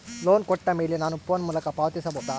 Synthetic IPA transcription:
loːnkɔʈːɐmeːlenaːnupoːnmuːlɐkɐpaːʋɐt̪isɐbʱoːd̪a

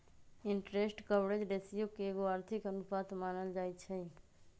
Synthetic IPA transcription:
ɪɳʈɾesʈkəbɽed͡ʒɖesijokeːɡoaɾt̪ʰikənupat̪maːnəld͡ʒat͡ʃʰɛ

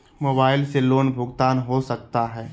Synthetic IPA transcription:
moːbaːɪlseloːnbʱʊɡt̪aːnɦosɐk̚t̪aɦɛː

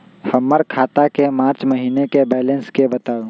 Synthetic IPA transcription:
hɐmːəɾkʰaːt̪akemaːɾt͡ʃmɐɦiːnekebɛːlənskebɐt̪aːũː

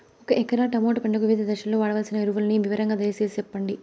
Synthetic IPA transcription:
ɔkɐʔɛkːɐɾaʈɐmoːʈupɐɳɖɐkuʋiːd̪ɐd̪ɐʃɐloːʋaːɽɐʋɐːlsinɐiɾuʋulɐniʋiʋɐɾɐŋɡaːd̪ɐjɐsest͡ʃɛpːɐɳɖi

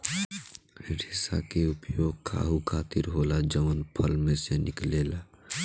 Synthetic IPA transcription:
ɾisa̰keupjoːɡ̚kʰa̰ɦukʰat̪iɾɦolad͡ʒəmənpʰəlmesenɪklela

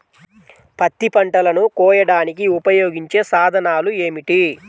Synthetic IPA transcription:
pɐt̪ːipɐɳʈɐlɐnukɔːjɐɽaːnikiupɐjoːɡiɲt͡ʃe̞ːsaːd̪ʱɐnaːlue̞ːmiʈi

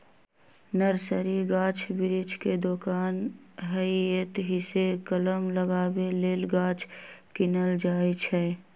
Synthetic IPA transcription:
nəɾsəɾiɡãːt͡ʃʰbɪɾɪd͡ʒʱked̪okaːnɦəiet̪ɦɪsekələmləɡaːbeleːlɡaːt͡ʃʰkɪnəld͡ʒaːet͡ʃʰɛ

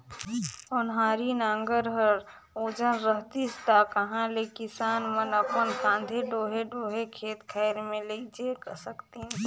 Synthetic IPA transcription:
ɔnɦaːɾinãːŋɡəɾɦəɾ | oːd͡ʒənɾəɦt̪ist̪akɐɦãlekɪsaːnmənəpənkʰãːnd̪ʱeɖoːɦeɖoːɦekʰeːt̪kʰəɪɾmẽleid͡ʒekəsəkt̪iɦɛ̃

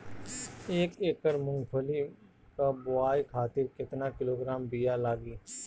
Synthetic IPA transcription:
eːkeːkːəɾmʊ̃ŋɡpʰoli | kabʊaːikʰaːt̪ɪɾkɪt̪nakɪloːɡɾaːmbijalaːɡiː

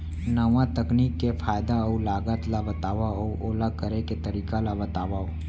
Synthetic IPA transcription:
nəʋãt̪əkniːkːefʰaːjd̪aɔulaːɡət̪labɐt̪aːʋaɔʔoːlakəɾeket̪əɾiːkalabɐt̪aːʋaoː

